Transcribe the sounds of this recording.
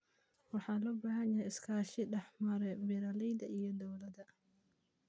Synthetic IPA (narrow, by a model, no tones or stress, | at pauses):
wɑħɑːlɔːbaːɦɐnjaɪskʰaːʃɪɖɛħmɐɾɛbɪɾɐlɛjd̪ɐʔijɔd̪ɔwlɐd̪ɐ